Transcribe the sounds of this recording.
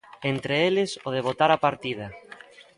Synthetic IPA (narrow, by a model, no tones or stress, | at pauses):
ent̪ɾeelɪsoð̞eβ̞ot̪aɾapaɾt̪ið̞ɐ